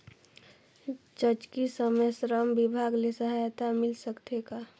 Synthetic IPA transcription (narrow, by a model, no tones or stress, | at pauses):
t͡ʃət͡ʃkisəməsɾəmbibʱaɡlesəɦajt̪amɪlsəkt̪eka